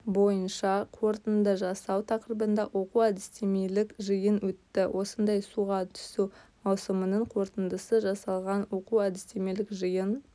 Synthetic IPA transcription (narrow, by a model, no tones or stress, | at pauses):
bo̞jənʃɑqʰo̞ɾt̪ənd̪əʒɑsɑwt̪ʰɑqɾəbənd̪ɑʔwʔo̞quwæd̪ɪst̪e̞me̞lɪkʒɨjənwɵt̪ːɪwʔo̞sənd̪ɑjsuʁɑt̪ʰʏ̥sumɑwsəmənəɴqʰo̞ɾt̪ənd̪əsəʒɑsɑlˠʁɑnwo̞quwæd̪ɪst̪eme̞lɪkʒɨjən